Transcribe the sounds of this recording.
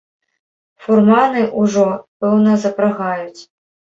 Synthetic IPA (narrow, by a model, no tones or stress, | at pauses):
furmanɨʔuʐɔpɛwnɐzɐpɾaɣajut͡sʲ